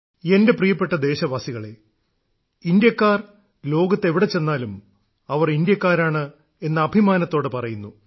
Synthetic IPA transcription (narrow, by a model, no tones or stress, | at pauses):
e̞nde̞prijɐpːe̞ʈːɐd̪e̞ːɕɐʋaːsiɣɐɭe̞ | ind̪jɐkːaːr | lo̞ːɡɐt̪ːe̞ʋiɽe̞t͡ɕe̞nːaːlum | ɐʋɐrind̪jɐkːaːɾaːɳɨ | e̞nːɐːbʱimaːnɐt̪ːo̞ːɽɨpɐrɐjunːu